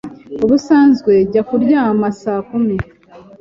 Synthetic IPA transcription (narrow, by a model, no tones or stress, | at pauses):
uβusaːnzɡwe̞ɟakuɾɟaːmasaːkumi